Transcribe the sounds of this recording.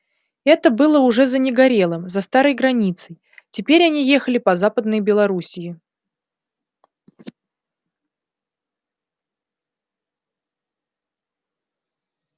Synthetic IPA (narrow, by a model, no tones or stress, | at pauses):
ɛt̪əbɨlˠəʊʐɛzənʲɪɡɐɾʲe̞lˠəmzɐst̪aɾəjɡɾɐnʲit̪səj | tʲɪpʲeɾʲɐnʲijexəlʲɪpɐzapəd̪nɨjbʲɪlˠɐɾusʲɪɪ